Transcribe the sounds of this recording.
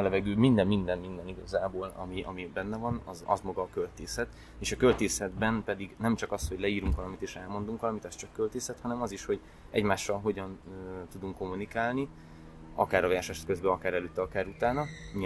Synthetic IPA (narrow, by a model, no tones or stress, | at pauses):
lɛvɛɡøːmind̪ɛmːmind̪ɛmmind̪ɛniɡɒzaːboːlɒ̰miʔɒ̰mibɛnːɛvɒnɒ̰zɒ̰zmɒɡɒːkølt̪eːsɛt̪ | eːʃɒkø̞lt̪eːsɛd̪bɛnpɛd̪iɡnɛmt͡ʃɒkɒsho̞ɟlɛiːɾuŋkʋɒlɒmit̪eːʃɛlmo̞nd̪uŋkʋɒlɒmit̪ɛst͡ʃɒkːølt̪eːsɛt̪hɒnɛmɒziʃho̞ɟ | ɛ̰ɟmaːʃːɒlɦo̞ɟɒnøt̪ud̪uŋkːo̞mːunikaːlni | ɒ̰kaːɾɒvɛrʃɛʃt̪kø̞zbɛɒkaːɾɛløːt̪ːɛɒkaːɾut̪aːnɒmi